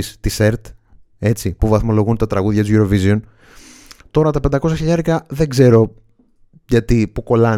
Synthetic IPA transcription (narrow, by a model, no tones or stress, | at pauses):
ist̪ise̞ɾt̪ | e̞t͡sipuvɐθmo̞lo̞ɣunt̪ɐt̪ɾɐɣuðʝɐt̪uzʝuɾo̞vizion | t̪o̞ɾɐt̪ɐpe̞nd̪ɐkos̬ɐçiʎɐɾekɐðe̞ɡze̞ɾo̞ | ʝɐt̪ipuko̞lɐ